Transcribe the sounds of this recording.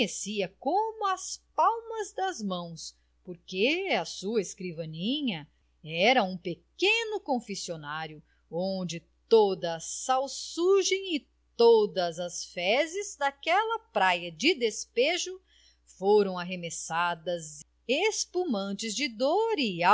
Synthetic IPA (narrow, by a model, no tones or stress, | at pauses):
esiɐkomʊɐspawmɐzd̪ɐzmɐ̃w̃s | poɾkeɐsuɐeskɾivɐnĩɲɐ | ɛɾɐũpekẽnʊkõfesionaɾjʊ | õnd͡ʒɪ | t̪od̪ɐːsawsuʒẽj̃ɪ | t̪od̪ɐzɐsfɛzɪzd̪akɛlɐpɾajɐd͡ʒɪd̪espeʒʊ | foɾɐ̃w̃aɦemesad̪ɐz | espumɐ̃nt͡ʃɪzd͡ʒɪd̪oɾɪa